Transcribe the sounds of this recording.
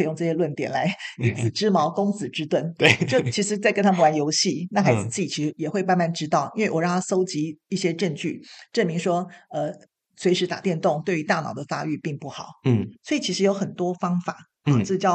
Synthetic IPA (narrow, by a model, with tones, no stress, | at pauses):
e˥˧ɪjʊ˥˧ŋʈ͡ʂɤ˥˧ɕjɛ˥lwə˥˩nt̪jɛ˨˩nla˧˦˥ɪi˧˥˩t͡sɹ̩˨˩ʈ͡ʂɻ̩˥mɑ˧˥ʊkʊ˥ŋt͡sɹ̩˨˩ʈ͡ʂɻ̩˥t̪wə˥˩nt̪e˥˧˩jo˥˩ʊt͡ɕʰi˧˥ʂɻ̩˧˥t͡sa˥˩ɪkə˥nt̪ʰa˥mə˨nwa˧˦njo˧˥ʊɕi˥˩na˥˩xa˧˥ɪd͡zɹ̩˨t͡s̩˥˩i˨˩t͡ɕʰi˧ʂjɛ˨˩xwe˥˧ɪma˥˧nma˥˩nʈ͡ʂɻ̩˥t̪ɑ˥˩ʊi˥nwe˥˩ɪwɔ˨˦ɻɑ˥˨ŋt̪ʰa˥˧so˥ʊt͡ɕi˧˥i˥˩ɕjɛ˥ʈ͡ʂə˥˧ŋt͡ɕy˥˩ʈ͡ʂə˥˩nmi˧˥ŋʂwɔ˥ə˧ | swe˧ɪʂɻ̩˧˥t̪a˨˩t̪jɛ˥˧nt̪ʊ˥˧ŋt̪we˥˩ɪy˧˥t̪a˥˩nɑ˨˩ʊd̪ə˦fa̰˥y˥˧pi˥˧ŋpu˥˩xɑ˨˩˦ʊ˩swɔ˧˥i˨˩t͡ɕʰi˧˥ʂɻ̩˧˥jo˧˥ʊxə˨˩nt̪wɔ˥fɑ˥ŋfa˨˩˦ | ɔ˥˧˥t͡ɕjɑ˥˩ʊ